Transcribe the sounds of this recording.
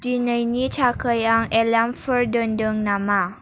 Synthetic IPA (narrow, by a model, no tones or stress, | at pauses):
d͡ʒinəinit͡ʃakəjaŋɛlamfərdəndəŋnama